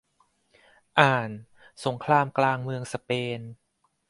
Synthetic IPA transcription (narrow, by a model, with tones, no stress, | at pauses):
ʔaː˨˩n | so˩˦ŋkʰlaː˧mklaː˧ŋmɯ˧əŋsa˧peː˧n